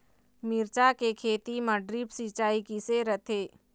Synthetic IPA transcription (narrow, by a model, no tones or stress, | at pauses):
miɾt͡ʃakekʰeːt̪iməɖɾiːpsit͡ʃaːikiseɾət̪ʰeː